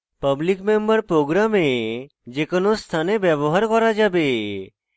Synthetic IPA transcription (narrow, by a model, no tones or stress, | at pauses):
pəblikmembəɾpɾoɡɾame | d͡ʒekənost̪ʰanebɛbɔɦaɾkɔɾad͡ʒabe